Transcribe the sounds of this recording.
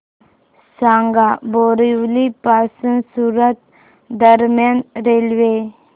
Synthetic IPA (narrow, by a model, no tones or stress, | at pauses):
sãŋɡaboɾiwlipasənsuɾət̪̚ | d̪əɾmjanɾelʋe